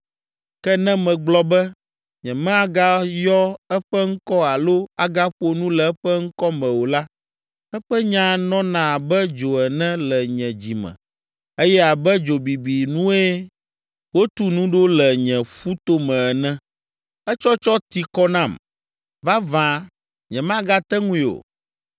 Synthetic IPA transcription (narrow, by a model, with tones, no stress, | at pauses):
kɛ˦nɛ̃˦mɛ̃˨ɡ͡blɔ˦bɛ˦ | ɲɛ̃˨mɛ̃˦a˨ɡa˦jɔ˦ɛ˦ɸɛ˦ŋ̩˦kɔ˦a˨lo˦a˨ɡa˦ɸo˦nũ˦lɛ˨ɛ˦ɸɛ˦ŋ̩˦kɔ˦mɛ̃˨wo˨la˦ | ɛ˦ɸɛ˦ɲã˦nɔ̃˦nã˨bɛ˦d͡ʒo˨ɛ˨nɛ̃˦lɛ˨ɲɛ̃˨d͡ʑi˨mɛ̰̃˨ | e˦jɛ˦a˨bɛ˦d͡ʒo˨bi˨bi˨nũ˦e˦ | wo˦t̪u˦nũ˦ɖo˦lɛ˨ɲɛ̃˨ɸu˦t̪o˦mɛ̃˨ɛ˨nɛ̃˦ | ɛ˦t͡ʃɔ˦t͡ʃɔ˦t̪i˨kɔ˦nã˦˨m | va˦vã˨ | ɲɛ̃˨mã˦ɡa˦t̪ɛ˦ŋũ˦˨o̰˨